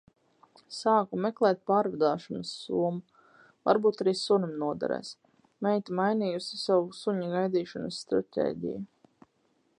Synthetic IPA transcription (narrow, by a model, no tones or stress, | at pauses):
saːkumɛklˠɛːt̪̚paːɾvad̪aːʃɔnɐsːuɔmu | va̰ɾbuːt̪aɾiːsunmnuɔd̪a̰ɾɛ̰ːs | mɛjt̪imajniːjusi̥savusuɲuɡajd̪iːʃɔnɐsːt̪ɾa̰t̪ʲḛːɟḭja